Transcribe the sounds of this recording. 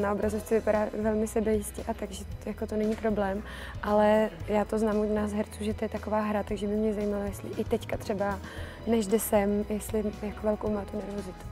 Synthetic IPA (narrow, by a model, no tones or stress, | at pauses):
nao̞bɾazoft͡sɛvɪpaɾaːvɛlmɪsɛbɛjɪscɛʔat̪aɡʒɛjakot̪o̞nɛɲiːpɾo̞blɛːm | ʔalɛjaːt̪oznaːmunaːsɦɛɾt͡suːʒɛt̪ojɛt̪ako̞vaːɦɾat̪aɡʒɛbɪmɲɛzajiːmalojɛst̪lɪʔɪt̪ɛckat̪r̥ɛba | nɛʒdɪsɛmjɛst̪lɪjakovɛlkowmaːt̪unɛɾvo̞zɪt̪u̥